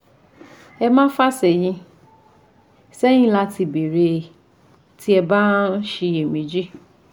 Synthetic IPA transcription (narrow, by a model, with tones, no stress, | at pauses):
ɛ˧mãː˦fa˦˨sɛ˨j̃ĩ˧˦ | sɛ˦j̃ĩ˦la˧ti˧˨be˨ɾe˧ | ti˦ɛ˧ba˦n̩˦ʃe˧e˨w̃ĩ˨˦d͡ʒi˦